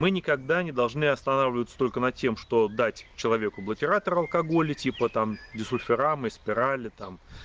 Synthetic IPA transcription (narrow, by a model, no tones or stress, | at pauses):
mɨnʲɪkɐɡd̪anʲɪd̪ɐlˠʐnɨɐst̪ɐnavlʲɪvət̪sə̥t̪o̞lʲkənɐtʲːe̞mʂt̪o̞d̪atʲt͡ɕɪlˠɐvʲe̞kʊblˠətʲɪɾat̪əɾɐlˠkɐɡo̞lʲɪtʲipət̪amdʲɪsʊlʲfʲɪɾamɨspʲɪɾalʲɪt̪am